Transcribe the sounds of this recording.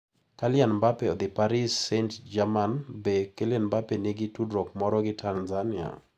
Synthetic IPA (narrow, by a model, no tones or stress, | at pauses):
kalɪanbapeɔd̪ɪpaɾɪsːentd͡ʒamanbekelɪanbapenɪɡɪtudɾɔk̚mɔɾɔɡɪtʰanzania̰